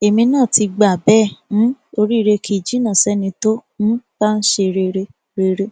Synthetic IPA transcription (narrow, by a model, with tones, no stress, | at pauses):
e˨mĩ˧nãː˦˨ti˧ɡ͡ba˨bɛ˦˨ñ̩˦o˧ɾi˦˧ɾe˧kʰi˦˨d͡ʒi˦nã˦˨sɛ˦nĩ˧to˦ñ̩˦ba˦n̩˦ʃe˧ɾe˧ɾe˧ | ɾe˧ɾe˧